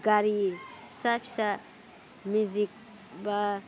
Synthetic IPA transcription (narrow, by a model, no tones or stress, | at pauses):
ɡaɾi | sapʰi̥sa | muzik̚ | ba